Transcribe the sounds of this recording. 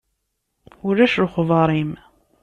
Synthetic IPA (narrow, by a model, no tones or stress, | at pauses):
ʊɾæʃɾʊχvɑɾˤim